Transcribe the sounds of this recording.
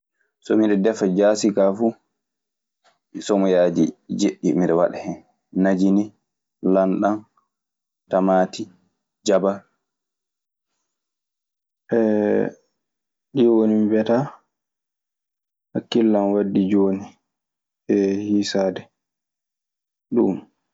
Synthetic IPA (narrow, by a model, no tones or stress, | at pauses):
sɔmiɗɛdɛfad͡ʒaːsikafu | sɔmɔjaːdid͡ʒeɗːimiɗɛwa̰ɗɛhɛn | nad͡ʒini | lanɗan | tamaːti | d͡ʒaba | ʔɛ | ɗiwonimibɛta | hakːilːanwadːid͡ʒoːni | ɛhisaːdɛ | ɗum